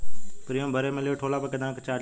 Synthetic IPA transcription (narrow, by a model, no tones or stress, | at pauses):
pɾijõːbʱəɾeːmẽlɪjoːʈʰoːlaːpəkəd̪ãːkt͡ʃaː